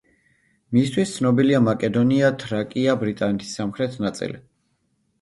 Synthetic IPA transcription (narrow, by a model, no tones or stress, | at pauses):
mist̪ʰwist̪sʰnɔbiliamakʼɛd̪ɔniat̪ʰɾakʼiabɾit̪ʼanɛt̪ʰi̥sːamχɾɛt̪ʰnat̪sʼḭli